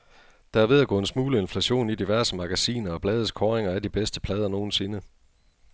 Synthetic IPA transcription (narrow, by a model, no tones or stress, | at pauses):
d̥ɑ̈æɐʋe̝ð̞ˠæɡɔ̰e̝nsmuːləe̝nflæɕo̝̰ːnid̥iʋæɐsəmɑ̈ɡ̥æsḭːnɐɒ̽b̥lɛːð̞̩ˠskʰɒːʁeŋɐæd̥ib̥esd̥ə̥pʰlɛːð̞ˠɐno̝ːn̩se̝nə